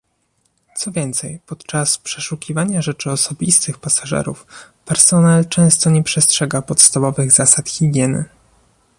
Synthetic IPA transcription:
t̪sɔvʲjɛnt̪sɛjpɔt̪t͡ʂaspʂɛʂukʲivaɲaʐɛt͡ʂɘɔsɔbʲist̪ɘxpasaʐɛ̰ɾṵf | pɛɾsɔnalt͡ʂɛ̃w̃st̪ɔɲɛpʂɛstʂɛɡapɔt̪st̪avɔvɘɣzasat̪xʲiɡʲjɛnɘ̰

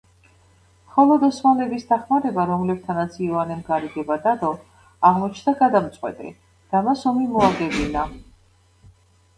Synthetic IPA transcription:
mχɔlɔd̪ɔsmalɛbisd̪aχmaɾɛbaɾɔmlɛb̚t̪ʰanat̪sʰivanɛmɡaɾiɡɛbad̪ad̪ɔ | aʁmɔt͡ʃʰnd̪aɡad̪amt̪sʼqʼwɛ̰t̪ʼɛ̰ | d̪̥amasɔmimɔaɡɛbina

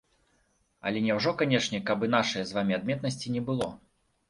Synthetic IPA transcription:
ɐ̰lʲɛnʲɛwʐɔkanʲɛʂnʲɛkabɨnaʂɨjɛzvamʲiad̪̚mʲɛt̪nɐsʲt͡sʲinʲɛbɨlˠɔ

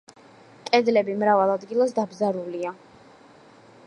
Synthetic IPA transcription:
kʼɛd̪lɛbimɾavalˠad̪ɡilˠasd̪abzaɾulia

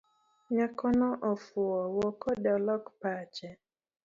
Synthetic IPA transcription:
ɲakɔnɔʔɔfʊɔwɔkɔdɔlɔkpat͡ʃɛ

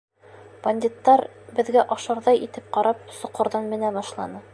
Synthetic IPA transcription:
b̥ɐnʲd̪ʲit̪ːɑɾbɘ̆ðɡæʔɒʃɤ̆ɾðɑjit̪ɘp̚qɑɾɑp̚sŭqɤ̆ɾðɤnmɘ̆næbɒʃlˠɑ̰nɤ

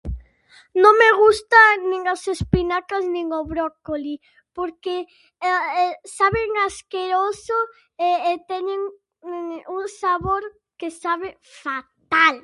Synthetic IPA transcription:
nõŋmeɣust̪anĩŋasespinakasnĩŋoβɾɔkoli | poɾke | saβeŋaskeɾoso | eːt̪ɛɲeŋ | uŋsaβoɾ | kesaβɪ | fat̪al

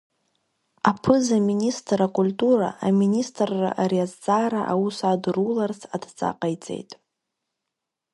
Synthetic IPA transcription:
apʰɨzaministʼrakʼultʼuɾa̰aministʼrːa̰ʔariazd͡zʼaɾaʔawusadrularsʰadt͡sʼa̰qʼajt͡sʼe̞̰jtʼ

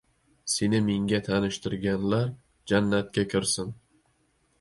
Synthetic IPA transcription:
se̞nɪmeŋɡʲat̪ʰanɪʃt̪ʰɪɾɡʲanlaɾ | d͡ʒanːat̪̚kʲakʲʰɪɾsɪn

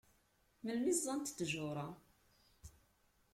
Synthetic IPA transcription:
məlmizˤːɑnt̪t̪ːʒʊɾˤɑ

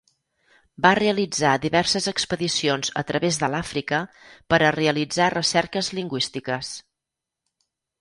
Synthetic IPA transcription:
bareəlid͡zaðiβɛrsəzəkspəðisionzə̰t̪ɾəβezðəlafɾikəpəɾəreəlid͡zarəsɛɾkəzliŋɡwist̪ikəs

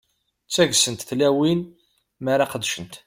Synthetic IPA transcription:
t͡sːæʝsənt̪θlæwin | maɾaqəd̪ːʃənt̪

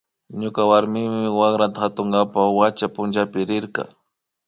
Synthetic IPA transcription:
ɲʊkawaɾmɪmɪwakɾat̪axat̪ʊŋɡapawat͡ʃapʊnt͡ʃapɪɾɪɾkɑ̰

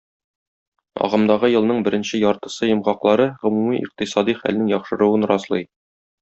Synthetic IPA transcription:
ɒ̰ʁɤ̆md̪ɑʁɤjɤ̆lˠnɤɴbɘ̆ɾɘ̆nɕɘjɒɾt̪ɤ̆sɤjɤ̆mʁɑqlˠɑɾɤʁɵ̆mumiʔḭq̚t̪isɑd̪iχæ̰lnɘŋjɒχʃɤ̆ɾŭɤnɾɑslˠɤj

